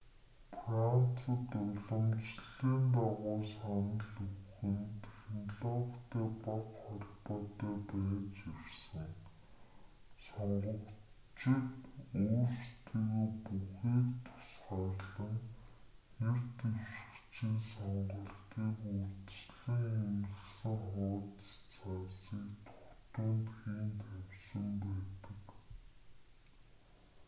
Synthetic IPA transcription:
fran̥t͡sə̆t̪ʊɮə̆mt͡ɕɮiːnt̪aʁʊːsχanə̆ɮɵwxɘ̆nt̪ʰex̆nɮɔːkt̪eːpaqχɔɮpɔːt̪œːpæːt͡ɕiwsə̆ŋ | sɔɴɢɞ̆k | t͡ɕikuːrst̪ʰiːɣeːpuxiːkt̪ʰʊ̥sχaːɮə̆ŋ | xert̪ewʃɪ̥̆kt͡ɕʰiːnsɔɴɢɞ̆ɬt̪iːkurt̪̆sɮĭŋxemɘ̆ɮsɘ̆ŋχʊːt̪t͡sʰasiːkt̪ʰʊ̥xt̪ʊːnt̪ɡiːnt̪ʰæw̥sə̆mpæːt̪ə̆k

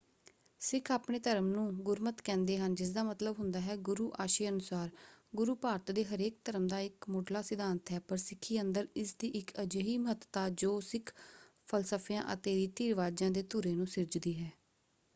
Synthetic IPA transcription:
sɪkʰaːpɳeːt̪əɾəmnũːɡʊɾmət̪kɛ̃ːnd̪eːɦənd͡ʒɪs̬d̪aːmət̪ləbɦʊnd̪aːɦɛːɡʊɾuːʔaːʃeːənʊsaːɾɡʊɾuːpaːɾt̪d̪eːɦəɾeːk̚t̪əɾəmd̪aːɪkmʊːɖlaːsɪd̪ʱaːnt̪ɦɛːpəɾsɪkʰːiːənd̪əɾɪsd̪iːʔɪkʰəd͡ʒəɦiːməɦət̪t̪aːd͡ʒoːsɪkʰ | pʰəlsəpʰjãːʔə̰t̪eːiːt̪iːɾʋaːd͡ʒãːd̪eːt̪uɾeːnũːsɪɾd͡ʒd̪iːɦɛː

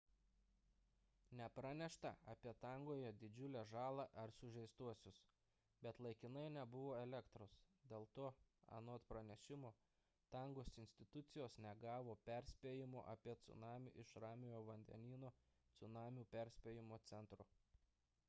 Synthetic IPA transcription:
nʲɛpɾɑnʲɛʃt̪ɐ̰ɐpʲiɛt̪ɐŋɡoːjɛd̪ʲɪd͡ʒʲʊlʲɛʒɑːlˠɑʔɐɾsʊʒʲɛɪst̪uɔsʲʊs | bʲɛt̪lˠɐɪkʲɪnɐɪnʲɛbʊʋoːɛlʲɛkt̪ɾosd̪ʲeːlˠt̪oːɐ̰noːt̪pɾɐnʲɛʃʲɪmo | t̪ɐŋɡoːsɪnʲsʲt̪ʲɪt̪ʊt̪sʲɪjoːsnʲɛɡɑːʋoːpʲɛɾʲsʲpʲeːjɪmo̰ːʔɐpʲiɛt̪sʊ̰nɑːmʲṵːʔɪʃɾɑːmʲɪjoːʋɐnʲd̪ʲɛ̰nʲiːnoː | t̪sʊnɑːmʲuːpʲɛɾʲsʲpʲeːjɪmoːt̪sʲɛnt̪ɾʊ

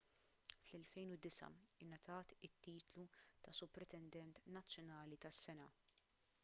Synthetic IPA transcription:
flɛlfɛjnʊd̪ɪsɐ̰ɪnːɐt̪ʰɐːt̪ɪt̪ːiːt̪lut̪ɐsʊpɾɛt̪ɛnd̪ɛnt̪nɐt͡sːjɔnɐːlit̪ɐsːɛnɐ

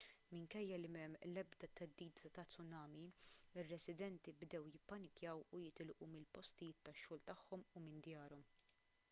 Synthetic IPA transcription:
mɪŋkɛjːɐlɪmɛmːlɛbd̪ɐt̪ɛd̪ːiːd̪ɐt̪ɐt͡sːʊnɐːmiɪrːɛsɪd̪ɛnt̪ibd̪ɛwjɪpːɐnɪkjɐwujɪt̪ɪlʔumɪlpɔst̪ɪjɪːt̪ːɐʃːʊːlt̪ɐħːɔmʊmɪnd̪jɐːɾɔm

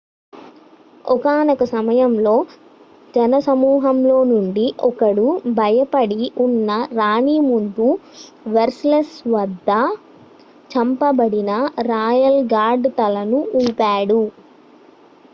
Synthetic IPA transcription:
ɔkaːnɐkɐsɐmɐjɐmlo̞ː | d͡ʒɐnɐsɐmuːɦɐmlo̞ːnuɳɖiʔɔkɐɽubʱɐjɐpɐɽiʔunːɐɾaːɳiːmund̪u | ʋɐɾslɐsʋɐd̪ʱːɐ | t͡ʃɐmpɐbɐɽinɐɾaːjɐlɡaːɾɖt̪ɐlɐnuuːpaːɽu

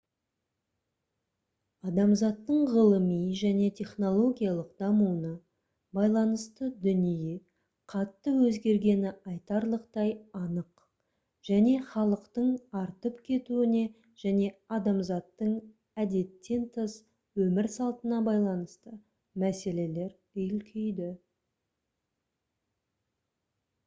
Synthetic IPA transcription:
ɑd̪ɑmzɑt̪ːəɴʁəlˠəmijʒæne̞t̪ʰʲe̞χno̞lˠo̞ɡʲijɑlˠəqd̪̥ɑmunə | bɑjlˠɑnəst̪əd̪ʏnije | qʰɑt̪ːəwɵzɡʲe̞ɾɡʲe̞nɪɑjt̪ɑɾlˠəqt̪ɑjɑnəq | ʒ̥æne̞χɑlˠəqt̪əɴɑɾt̪əpkʲʰe̞t̪uɪne̞ | ʒ̥æne̞ɑd̪ɑmzɑt̪ːəɴ | æd̪e̞t̪ːe̞nt̪ʰəs | wɵmɪɾsɑlˠt̪ənɑbɑjlˠɑnəst̪ə | mæse̞le̞le̞ɾ | ɵjɪlkʲʰejd̪ɪ

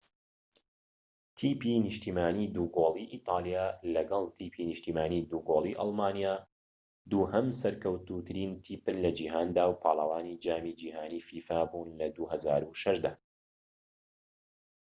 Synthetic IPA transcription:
t̪ʰiːpinɨʃt̪iːmaːniːd̪uːɡoːlˠiːʔiːt̪ˤɑːlˠijaːlɐɡɐlˠt̪ʰiːpʰinɨʃt̪iːmaːniːd̪uːɡoːlˠiʔɑ̰lˠmaːnijaː | d̪uːɦɐmsɐɾkɐwt̪ut̪ʰɨɾiːnt̪ʰiːpɨnlɐd͡ʒiɦaːnd̪aːwpʰɑːlˠɐwaːniːd͡ʒaːmiːd͡ʒiːɦaːniːfiːfaːbuːnlɐd̪uːhɐzaːɾuʃɐʃd̪aː

